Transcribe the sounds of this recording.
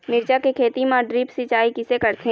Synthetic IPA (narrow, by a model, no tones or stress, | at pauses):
mɪɾd͡ʒakekʰeːt̪imãɖɾiːpsɪt͡ʃaːikɪsekɐɾt̪ʰẽ